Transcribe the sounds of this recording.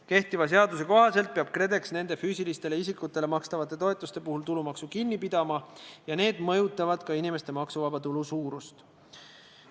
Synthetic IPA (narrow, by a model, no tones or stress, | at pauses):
ke̞ht̪ivɑs̬e̞ɑd̪use̞ko̞ɦɑse̞lt̪̚peɑb̥kre̞d̪e̞ksne̞nd̪̥e̞fyːsilist̪e̞le̞isikːˑut̪ːˑe̞le̞mɑkst̪ɑvɑt̪ːˑe̞t̪o̞e̞t̪ˑust̪e̞puhult̪ulumɑksukinːipid̪̥ɑmɑjɑne̞ːd̪mɤ̞jut̪ːˑɑvɑd̪̥kɑinime̞st̪e̞mɑksuvɑbɑt̪ulusuːɾust̪